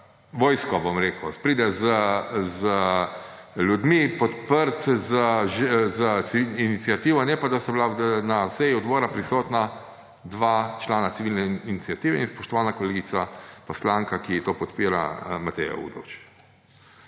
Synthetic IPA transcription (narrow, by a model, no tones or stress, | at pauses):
ʋɔːjskɔbɔmɾeːkwspɾiːd̪ɛzəzə | lʲjud̪mipɔt̪pəɾt̪zəʒzəsiʋilninit̪sijat̪iːʋɔnɛpad̪asɔblanasɛjiɔd̪bɔːɾapɾisɔːt̪na | d̪ʋaːt͡ʃlaːnat̪siʋilnɛinit̪sijat̪iːʋɛinspɔʃt̪ɔʋaːnakɔleːɡit̪sapɔslaːŋkakit̪oːpɔt̪piːɾa̰mat̪ɛ̰ja̰ṵːd̪ɔ̰wt͡ʃ